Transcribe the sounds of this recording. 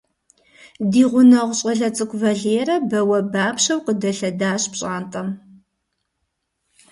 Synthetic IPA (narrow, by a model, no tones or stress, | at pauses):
diːʁʷʊnɐʁʷɕʼɐɮɐt͡sʼɨkʷʼvɐɮeːɾɐbɐwɐbaːpɕɐwqədɐɬɐdaːɕʼpɕʼaːntʼɐm